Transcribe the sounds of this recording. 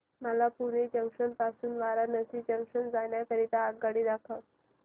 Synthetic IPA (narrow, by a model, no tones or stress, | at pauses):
məlapuɽed͡ʑəŋkʂənpasuːnʋaɾanəsid͡ʑəŋkʂənd͡zaɳjak̪əɾit̪aːɡaɽiːd̪akʰa